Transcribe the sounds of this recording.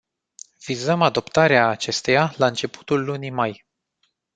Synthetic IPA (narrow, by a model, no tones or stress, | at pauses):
v̥izəmad̪o̞pt̪aɾeaːt͡ʃe̞st̪e̞jalaɨnt͡ʃe̞pu̥t̪ulːunimaj